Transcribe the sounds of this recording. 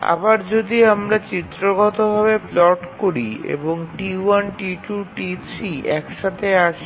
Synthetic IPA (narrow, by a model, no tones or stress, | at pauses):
a̰baɾd͡ʑod̪iamɾat͡ɕit̪ːɾoɡɔt̪obʱaβeplɔʈkoɾiḛboŋʈiwanʈiʈuʈisiʔɛkʃat̪ʰeaʃ